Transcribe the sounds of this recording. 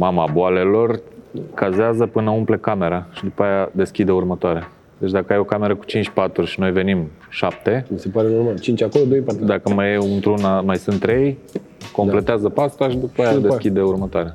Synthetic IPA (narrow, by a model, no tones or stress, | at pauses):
mamaboale̞lo̞rkazeazəpɨnəumplekame̞ɾaʃid̪upajad̪e̞skʲid̪e̞urmət̪oaɾea | d̪e̞t͡ʃd̪akəajo̞kame̞ɾəku̥t͡ʃint͡ʃʲpat̪ɾuʃino̞jve̞nim | ʃap̚t̪e̞misepaɾenoɾmalt͡ʃint͡ʃakolod̪ojpaud̪akəmajeunt̪ɾunamajsɨnt̪ːɾe̞j | ko̞mple̞t̪eazəpast̪aʃid̪upajad̪e̞skʲid̪eurmət̪oaɾea